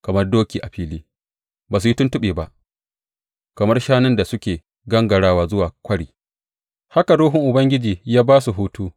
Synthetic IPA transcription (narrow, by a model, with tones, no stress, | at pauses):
kɐ˨mɐ˦rdoː˦kʲiː˨ʔa˨ɸiː˦liː˦ | baː˨s̬u˨ji˦tʊ˦ntʊ˦ɓeː˨ba˦ʔ | kɐ˨mɐ˦rʃaː˦nɪ˦nda˨sʊ˦kʲeː˨ | ɡɐ˦ŋɡɐ˨ɽaː˦waː˦˨zʊ˦waː˨kʷɐ˦ɽiː˨ | ha˦ka˨ɽoː˦ɦʊ˦ŋʔʊ˨bɐ˦ŋɡʲɪ˦d͡ʒiː˨jaː˦baː˦su˨ɦuː˦tuː˦